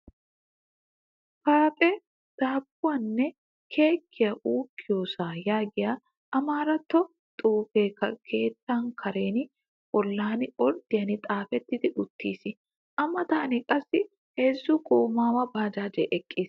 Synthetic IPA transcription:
kaːpʼɛ | d̪̥aːbʊɐnːɛ | kʰeːkʰːɪjɐʔuːkːɪjoːsaːjaːɡɪja | ɐmaːɾɐt̪ːɔ | t̪ʼuːfeːkɐkʰeːt̪ːaːŋkʰɐɾe̞ːnɪ | ʔɔlːaːnɪɔɾd̪̥ɪjɐnɪt̪ʼaːfɛt̪ːɪt̪ɪᶑʊt̪ːiːsɪ | ʔɐmːɐt̪aːnɪkʼɐsːɪ | heːzːuːkʼoːmaːwɐbaːd͡ʒaːd͡ʒɛ̰ʔɛkʼːiːs

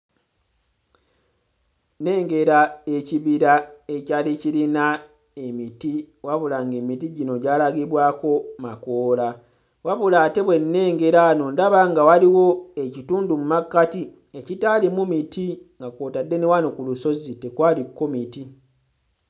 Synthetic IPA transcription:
ne̞ːŋɡe̞ɾae̞ciβiɾaecaːlicilina | e̞miti | waβulaŋɡe̞ːmitiɟino̞ɟaːlaɡiβwaːko̞makoːla | waβulate̞βwe̞nːe̞ːŋɡe̞ɾano̞ndaβaŋɡawaliwo̞ecituːndumumakːati | e̞citaːlimumitiŋɡakoːtadːe̞newanokuluso̞zitekwaːlikːo̞miti

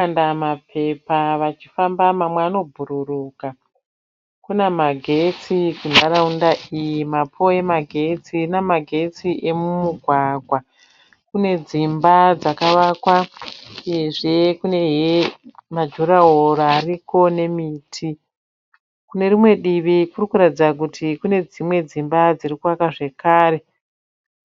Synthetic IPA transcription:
andamapʰe̞paʋat͡ʃi̥fambamamweaːno̞bʱuɾuruːka | kunemaɡʱe̞t͡sikunaɾaundaʔijimapʰo̞e̞maɡʱe̞t͡sinamaɡʱe̞t͡siʔe̞mumuɡʱwaɡʱwa | kune̞d͡zimbad͡zakaʋaːkwa | jeʐe̞kune̞ɦemad͡ʒoɾaɦoɾaːriko̞ne̞miːtʰi | kune̞ɾimwe̞ɗiʋikurikuɾatid͡zd͡zak̬utʰikune̞d͡zimwe̞d͡zimbad͡zirikuwakaʐe̞kaːɾe̞

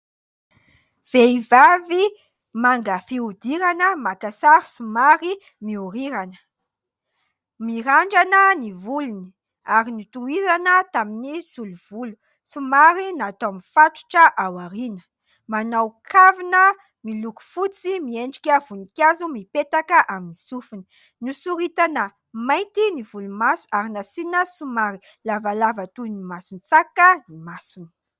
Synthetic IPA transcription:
v̥eivavi | maŋɡəfiud̪iɾanəmakasaɾsumaɾi | miuɾiɾanə̥ | miɾaɳɖ͡ʐanənivuluni̥ | aɾinit̪uizanət̪aminisuluv̥ulu̥ | simaɾinat̪omifaʈ͡ʂu̥ʈ͡ʂəʔawaɾinə̥ | manawkʰavinə | miluku̥fut͡simieɳɖ͡ʐi̥kʲəv̥unikʲazumipet̪akəʔaminisufuni̥ | nusuɾit̪anə | majnt̪inivulumasu̥aɾinasinəsumaɾi | lavalavət̪unimasunt͡sakənimasuni̥

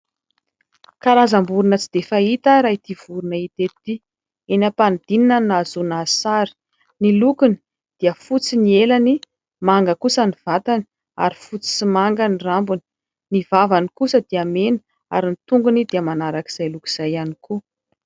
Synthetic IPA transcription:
kaɾazambuɾunət͡sid̪̥efait̪aɾait̪iv̥uɾunəit̪et̪i | enapanid̪̥ininanazunasaɾi̥ | nilukuni̥ | d̪̥iəfut͡sinielani | maŋɡəkusəniv̥at̪ani̥ | a̰ɾifut͡si̥simaŋɡanirambuni̥ | nivavanikusəd̪iamenə̥ | a̰ɾinit̪uŋɡunid̪iəmanaɾaki̥z̥ajluki̥z̥ajaniku

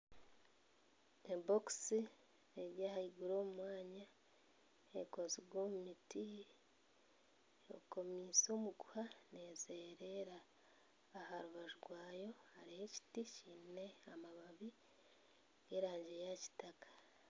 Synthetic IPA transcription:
eboksi | eɾjaːhaiɡuɾo̞ːmumwaːɲa | ḛkoziɡwoːmumiti | o̰ko̞miso̞ːmuɡuhane̞ːze̞ːɾe̞ɾaː | haɾuβaʒuɾwaːjo̞haɾihe̞ci̥ticiːne̞amaβaβi | ɡ̥e̞ɾaːɲɟe̞jaci̥takḁ

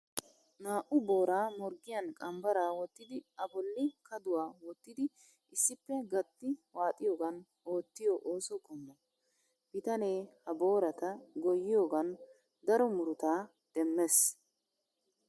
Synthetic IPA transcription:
naːʔʊbo̞ːɾaːmɔɾɡɪjɐnkʼɐmbɐɾaːwɔt̪ːɪd̪ɪɐbɔlːɪkɐd̪ʊwaːwɔt̪ːɪd̪ɪ | ɪsːɪpːɛɡɐt̪ːɪwaːt̪ʼɪjoːɡɐn | o̞ːt̪ːɪjɔʔoːsɔkʼɔmːɔ | b̥ɪt̪ɐne̞ːhɐbo̞ːɾɐt̪ɐɡɔjːɪjo̞ːɡɐn | d̪ɐɾɔmʊɾʊt̪aː | d̪̥ɛmːes

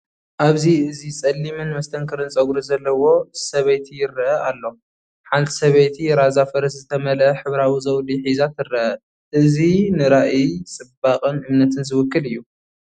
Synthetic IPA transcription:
ʔaβziɨzisʼɐlːimɨnmɐst̪ʰɐŋkʰɨɾɨnt͡sʼɐɡuɾuzɐlːɐwo̞sɐβɐjt̪ʰijɪrːɐʔɐʔalːo̞ | ħant̪ʰi̥sɐβɐjt̪ʰiɾazafɐɾɐszɨt̪ʰɐmɐlɐħɨβɾawizɐwliħizat̪ɨɾɐʔɐ | ʔɨzinɨɾaʔit͡sʼɨbaqʼɨnɨmnɐt̪ʰɨnzɨwʊkːɨlɨjːu

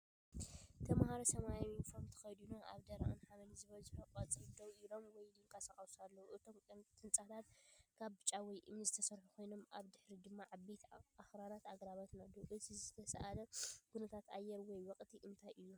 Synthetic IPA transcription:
t̪ʰɐmhaɾɐsɐmajaminfoɾmt̪ʰɐ̥xɐjd̪unaʔaβd̪ɐɾa̰ʔɨnħamɐnizɨβɐlzɨħɐkʼɐt͡sʼɨɾɨd̪ɐwʔilo̞mwɔjlɨŋkʰʼasaχʼɐsualːɐwuʔɨt̪ʰo̞mt̪ʼɨnt͡sʼat̪ʰat̪̚kʰaβbɨt͡ʃʼawɔjʔɨmzɨt̪ʰɐsɐɾħukʰo̞jno̞mʔaβd̪ɨħɾid̪ɨmːaʕabet̪ʰaxɾaɾat̪aɡɾaβat̪nad̪uʔɨt̪ʰizɨt̪ʰɐsɐ̰ʔalɐɡʰunɐt̪ʰat̪ajːɛɾwɔjwɔkʼt̪ʰiʔɨnt̪ʰajʔɨjːu

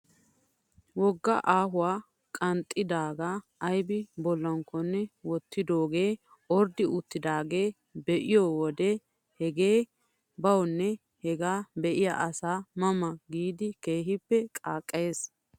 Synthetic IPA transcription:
wɔɡːɐʔaːɦʊwaː | kʼɐnt̪ʼːɪd̪aːɡaːjbɪbɔlːɐŋkːɔnːɛwɔt̪ːɪd̪o̞ːɡe̞ː | ɔɾd̪ɪʊt̪ːɪd̪aːɡe̞ː | bɛʔɪjɔwɔd̪ɛ | hɛɡe̞ː | bɐwnːɛ | hɛɡaːbɛʔɪja̰ʔɐsaːmɐmɐɡiːd̪ɪke̞ːɦɪpːɛkʼaːkʼːe̞ːs

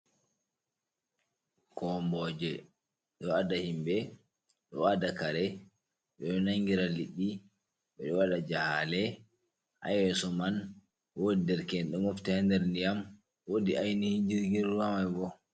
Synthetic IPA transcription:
kɔmbɔd͡ʒɛ | ɗɔwadahimbɛ | ɗɔ̰wadakaɾɛ | ɓɛɗɔnaŋɡiɾaliɗːi | ɓɛɗɔwaɗad͡ʒahalɛ | ha̰jwɛsɔman | wodidɛɾkɛnɗɛmoftihɛndɛɾndijam | wodiʔajnihiɲd͡ʒiɾɡiɾuwamajbɔ

